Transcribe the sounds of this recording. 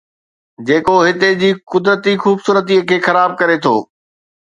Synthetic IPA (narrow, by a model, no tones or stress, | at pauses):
d͡ʑeːkoɦɪt̪ed͡ʑiːkʊd̪ɾət̪ixuːbsuːɾət̪̬ikʰeːxɐɾaːb̚kɐɾet̪ʰo̰ː